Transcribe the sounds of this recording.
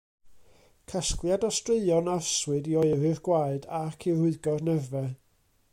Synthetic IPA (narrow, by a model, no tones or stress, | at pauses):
kʰasklˠjadɔstreɨɔnarswɨdiɔɨɾɨrɡwaɨdakʰirʊɨɡɔrnɛvɛ